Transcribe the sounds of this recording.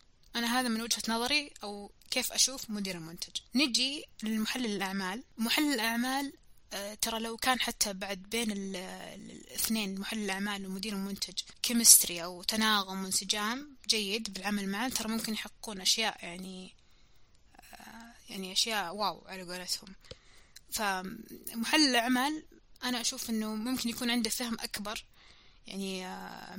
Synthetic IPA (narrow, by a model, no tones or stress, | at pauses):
ʔanaɦaːðamɪnwad͡ʒhanɑðˤɑɾiʔawkeːfʔaʃuːfmʊd̪iːɾɪlmʊnt̪ʰad͡ʒnɪd͡ʒilɪlmʊħalːɪɪlʔaʕmaːlmʊħalːɪlʔaʕmaːl | t̪ɑɾˤɑlawkaːnħat̪ʰːabaʕd̪̚beːnɪl | ɪ̰θneːnmʊħalːɪlʔaʕmaːlwɪmʊd̪iːɾɪlmʊnt̪ʰad͡ʒkɪmɪst̪ɾiʔawt̪anaːɣʊmwɪnsɪd͡ʒaːmd͡ʒajːɪd̪bɪlʕamalmaʕat̪ɑɾˤɑmʊmkɪnjħɑqːquːnʔaʃjaːʔjaʕni | jaʕniʔaʃjaːʔwaːwʕalaɡaːlat̪hʊm | famʊħalːɪlʔaʕmaːlʔanaʔaʃuːfʔɪnːʊmʊmkɪnjakuːnʕɪnd̪afahɪmʔakbɑɾˤ | ja̰ʕni